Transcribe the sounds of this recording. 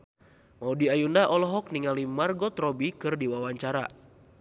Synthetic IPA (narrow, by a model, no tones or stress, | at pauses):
maudiajundaʔɔlɔɦɔk̚niŋalimarɡɔt̪ɾɔbikɨrdiwawaɲt͡ʃaɾa̰